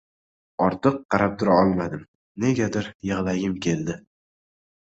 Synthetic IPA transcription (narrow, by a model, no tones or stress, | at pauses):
ɒɾt̪ʰɨqːɑɾap̚t̪ʰʊɾaɒlˠmad̪ɪm | ne̞ɡʲad̪ɪɾjɨʁlˠaɡʲɪmkʲʰe̞ld̪ɪ